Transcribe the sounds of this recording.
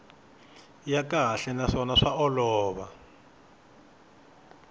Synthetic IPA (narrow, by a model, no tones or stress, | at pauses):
jakaɦaɬɛnaʂɔnaʂaɔlɔːβa